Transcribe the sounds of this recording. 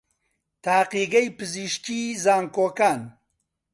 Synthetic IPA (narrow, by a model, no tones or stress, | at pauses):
t̪ʰaːqiːɡɐjpɨziʃciːzaːŋkoːkaːn